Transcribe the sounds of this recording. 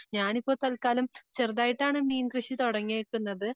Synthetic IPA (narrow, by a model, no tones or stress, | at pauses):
ɲaːnipːo̞ːt̪ɐlkaːlɐmt͡ɕerðaːjiʈːaːɳɨmniːnkrɨɕit̪oɽɐŋːeːʈːunːɐðɨ